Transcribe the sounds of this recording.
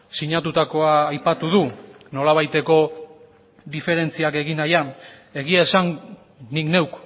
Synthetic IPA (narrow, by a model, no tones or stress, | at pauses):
siɲat̪ut̪ako̞aːjpat̪uðu | no̞laβ̞ajt̪e̞ko̞ | ðife̞ɾe̞nt͡siake̞ɣinajan | e̞ɣiaesan | nikne̞wk